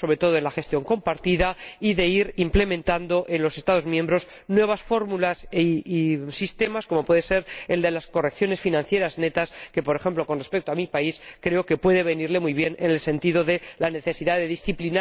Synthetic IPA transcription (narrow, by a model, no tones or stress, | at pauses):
oɾet̪o̞ðo̞e̞nlaxe̞st̪jo̞ŋko̞mpaɾt̪iðaiðe̞iɾimple̞mẽnt̪and̪o̞ʔe̞nlo̞se̞st̪að̞o̞zmjembɾo̞z | nwe̞β̞asfo̞ɾmulasisist̪e̞masko̞mo̞pwe̞ðese̞ɾeld̪e̞lasko̞re̞kθjo̞ne̞sfinãn̟θje̞ɾazne̞t̪aske̞po̞ɾe̞xe̞mplo̞ko̞nre̞spek̚t̪oamipaiskɾe̞oke̞pwe̞ð̞e̞βe̞niɾle̞mujβ̞je̞nene̞lsẽ̞nt̪iðo̞ðe̞lane̞θe̞siðaðe̞ðisθiplina